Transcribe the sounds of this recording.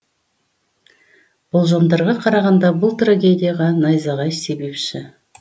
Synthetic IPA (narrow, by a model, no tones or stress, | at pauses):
b̥ʊlˠʒomd̪ɑɾʁɑqʰɑɾɑʁɑnd̪ɑbʊlˠt̪raɡʲe̞d̪ʲijaʁɑnɑjzɑʁɑjse̞be̞pʃɪ